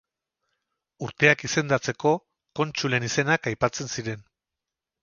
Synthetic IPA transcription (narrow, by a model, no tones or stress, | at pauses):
uɾt̪e̞akise̞nd̪at͡se̞ko̞ | ko̞nt͡ʃule̞nise̞nakajpat͡se̞nsiɾe̞n